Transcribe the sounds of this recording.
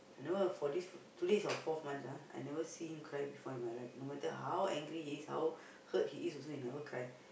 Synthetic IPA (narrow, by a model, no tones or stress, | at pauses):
ajnɛvəfɔdistʰudesɔfɔvmãnsaa̰jnɛvəsihĩmkʰɹajbifɔimajlaɪfnomɛtəɦawɛ̃ŋɡɹihiːsha̰w | hət̚hiʔisɔsoinɛvəkʰɹaj